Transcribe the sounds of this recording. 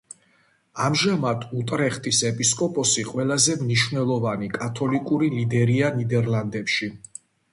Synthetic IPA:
amʒamad̪ʰut̪ʼɾɛχt̪ʼisɛpʼiskʼɔpʼɔsiqʼwɛlˠazɛmniʃvnɛlˠɔvanikʼat̪ʰɔlikʼuɾilid̪ɛɾianid̪ɛɾlˠand̪ɛpʃi

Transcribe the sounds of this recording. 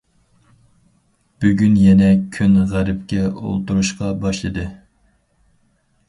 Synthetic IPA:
b̥yɡʲynjɛnɛkʲʰynʁæɾɪp̚kʲɛo̰lˠt̪uɾuʃqɑbɑʃlˠɨd̪ɨ

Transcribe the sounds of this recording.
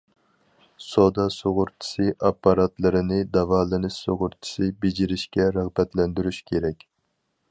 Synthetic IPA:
sod̪ɑsoʁʊɾt͡ʃʰi̥sɨʔɑpːɑɾɑt̪lˠɨɾɨnɪd̪ɑvɑːlˠɨnɨsoʁʊɾt͡ʃʰi̥sɨbed͡ʒiɾɪʃkʲɛɾæʁbɛt̪lɛnd̪yɾyʃkʲʰeɾɛkʲ

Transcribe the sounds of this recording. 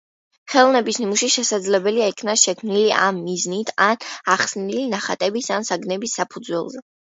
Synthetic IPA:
χɛlˠɔnɛbisnimuʃiʃɛsad̪zlɛbɛliaikʰnaʃɛkʰmniliʔa̰mːiznit̪ʰanaχsnilinaχat̪ʼɛbisansaɡnɛbisːapʰud̪zwɛ̰lˠzɛ

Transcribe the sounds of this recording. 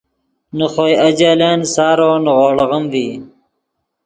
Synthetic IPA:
nəχoːjɐd͡ʑaːleːnsɑːɾoːnɣoːɽʁəmviː

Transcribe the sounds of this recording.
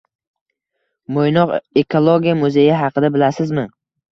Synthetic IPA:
mojnɒqekʰolˠoɡʲijamʊzejɪɦɑqʰɨd̪abɪlasɪzmɪ

